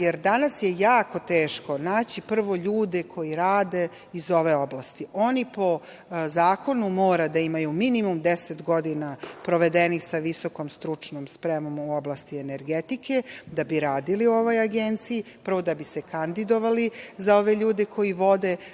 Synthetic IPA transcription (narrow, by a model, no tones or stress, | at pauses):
jeɾd̪anasjejaːko̞t̪eːʃko̞naːt͡ɕipr̩ʋo̞ʎuːd̪ekʰo̞jiɾaːd̪e̞ | izo̞ʋe̞o̞blast̪iʔo̞nipo̞ | zaːko̞numo̞ːɾad̪aimajuminimumd̪eset̪ɡo̞d̪inapɾo̞ʋe̞d̪enixsaʋisoko̞mst̪ɾut͡ʂnomspɾemomuoblˠast̪ieneɾɡet̪ike̞d̪abiɾaːd̪ilio̞ʋojaɡent̪siji | pr̩ʋo̞d̪abisekand̪id̪o̞ʋalizao̞ʋe̞ʎuːd̪ekʰo̞jiʋo̞d̪e